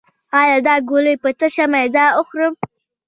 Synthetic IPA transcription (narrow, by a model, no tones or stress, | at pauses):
ɑjɑd̪ɑɡoləjpət̪əʃamajd̪ɑʊxɾəm